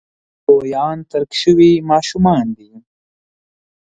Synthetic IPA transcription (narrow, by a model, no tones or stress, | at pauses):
oːjɑːnt̪ɐɾkʃəwimɑːʃumɑːnd̪i